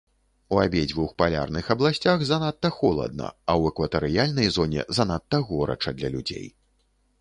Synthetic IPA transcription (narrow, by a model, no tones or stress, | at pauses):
uabʲeɛd͡zʲvuxpalʲa̰rnɨxɐblˠasʲt͡sʲaxzanat̪ːɐxɔlˠɐ̰d̪̚nɐ̰ɐwɛkvɐt̪ɛɾɨjalʲnɐjzɔnʲɛ̰zanat̪ːɐɣɔɾɐ̰t͡ʂɐd̪lʲɐlʲud͡zʲḛj